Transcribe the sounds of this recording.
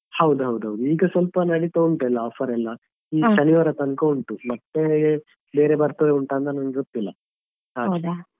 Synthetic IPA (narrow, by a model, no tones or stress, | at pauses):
hɐwd̪uɦɐwd̪uɦɐwd̪uiːɡɐsʋɐlpɐnɐɽit̪ouɳʈlːɐɔːfʰɐɾɛlːɐ | iːʃɐniʋaːɾɐt̪ɐnkɐuɳʈumɐt̪ːe | be̞ːɾebɐɾt̪ɐd̪euɳʈaːnd̪ɐnɐnɡeɡot̪ːilːɐ | ɦaːɐd̪